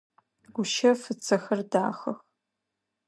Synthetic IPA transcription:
ɡʷʊʃɐfɨt͡sʰɐxɐrda̰ːxɐx

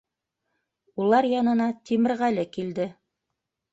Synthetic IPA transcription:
ulˠɑɾjɑnɤ̆nɑt̪imɘ̆ɾʁælɘkild̪ɘ

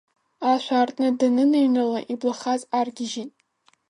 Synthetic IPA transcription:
aʃʷaːrtʼnɨdanɨnejnɨlaʔiblaχazarɡʲɪʒitʼ

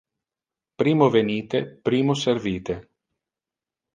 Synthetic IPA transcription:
pɾiːmoveniːt̪epɾiːmoserviːt̪e

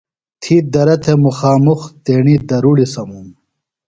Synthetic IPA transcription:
t̪ʰiːd̪ɐɾɐt̪ʰemuxaːmuxt̪eːɳid̪ɐɾuɽisɐmum

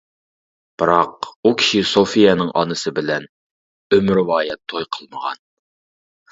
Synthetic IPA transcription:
b̥ɨɾɑqukʲʰi̥ʃisofijɛnɨŋʔɑ̰nɨsɨbɪlɛn | ømɾwɑːjɛt̪ʰːojqʰəlˠməʁɑ̰n

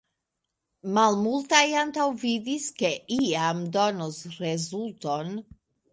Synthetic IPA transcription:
malmultajantawvidiske̞ʔiamdo̞nosɾe̞zulto̞n

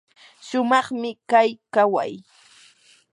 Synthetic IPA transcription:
ʃʊmɑχmɪkajkawa̰j

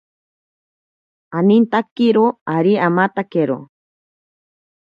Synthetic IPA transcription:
anint̪akːiɾoaɾiamat̪akeɾo̰

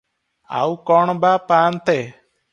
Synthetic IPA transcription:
a̰wkɔɳ̃bapaːnt̪ɛ

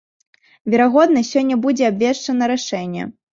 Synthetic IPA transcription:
vʲɛɾaɣɔd̪nɐsʲɔnʲːɐbud͡zʲɛabʲvʲɛʂt͡ʂɐnɐɾaʂɛnʲːɛ̰

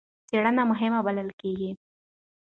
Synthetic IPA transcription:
t͡seɽənamʊɦɪmabaləlkeɡi

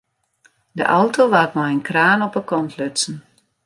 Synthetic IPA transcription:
də̰ʔawtʰoʋatmajənkraːnɔpəkɔntʰlʏtsn̩

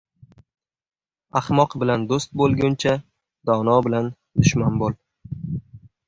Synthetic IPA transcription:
ahmɒqbɪland̪ost̪̚bolˠɡʲʊnt͡ʃʰa | d̪ɒnɒbɪlan | d̪ʊʃmanbolˠ

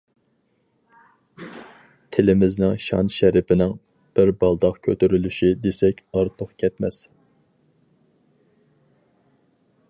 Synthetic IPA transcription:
t̪ʰɪlɪmɪznɪŋʃɑ̰nʃæɾɪpʰɪnɪŋ | b̥ɪɾbɑlˠd̪ɑqkʲʰøt̪yɾylyʃid̪esɛkʲɑɾt̪ʰoχkʲʰɛt̪mɛ̰s

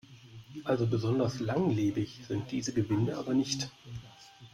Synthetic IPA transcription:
ʔalzobəzɔndɐslaŋleːbɪçz̥ɪnt̚d̥iːzəɡəvɪnəʔa̰ːbɐnɪçt

